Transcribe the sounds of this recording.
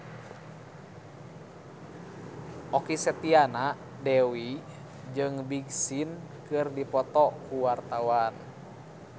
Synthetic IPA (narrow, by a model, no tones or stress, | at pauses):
ʔɔkisət̪iana | dɛwi | d͡ʒɨŋbiɡsin | kɨrdipɔt̪ɔkuwart̪awan